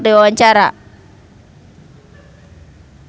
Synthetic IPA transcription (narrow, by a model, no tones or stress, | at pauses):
diwawaɲt͡ʃaɾa̰